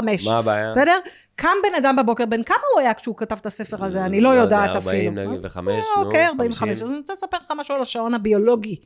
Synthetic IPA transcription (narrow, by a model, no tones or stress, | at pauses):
ameʃbasedeʁ | kʰambe̞nadambebo̞ke̞ʁbenkamauajakʃeukatavt̪ase̞feʁazeanilo̞jo̞daat̪afilu | okejaʁbaimveχameʃazaniit͡salesape̞leχamaʃualaʃao̞nhabio̞lo̞ɡi